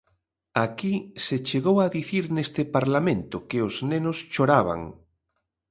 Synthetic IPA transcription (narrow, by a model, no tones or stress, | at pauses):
akiset͡ʃeɣowaðiθiɾnest̪epaɾlamẽnt̪ʊkeoznenost͡ʃoɾaβ̞a̰ŋ